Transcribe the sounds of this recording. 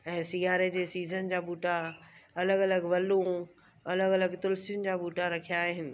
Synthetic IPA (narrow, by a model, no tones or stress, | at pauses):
ɛ̃ːsijaːɾed͡ʑeːsiːzənd͡ʑaːbuːʈaɐləɡɐləɡʋɐlũ | ɐləɡɐləɡt̪ʊlsjʊnɪ̆d͡ʑaːbuːʈaɾɐkʰijaːɦɪnɪ̆